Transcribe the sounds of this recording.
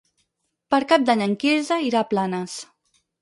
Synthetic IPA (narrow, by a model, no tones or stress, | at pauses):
pəɾkap̚d̪aɲəŋkizəiɾaplanəs